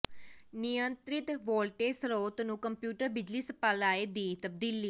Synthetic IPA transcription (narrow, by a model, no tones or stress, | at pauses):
nɪjənt̪ɾɪt̪ʋoːlʈeːsəɾoːt̪nũːkəmpjuːʈəɾbɪd͡ʒliːsəpalaːeːd̪iːt̪əb̚d̪iːliː